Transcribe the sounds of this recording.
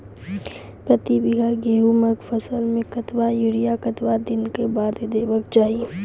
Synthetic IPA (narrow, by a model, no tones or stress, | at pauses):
pɾɐt̪ibɪɡaɡeːɦuməɡfʰɐsəlmẽkɐt̪ʋajʊɾijakɐt̪ʋad̪ɪnkebaːd̪d̪eːʋəkt͡ʃaːɦie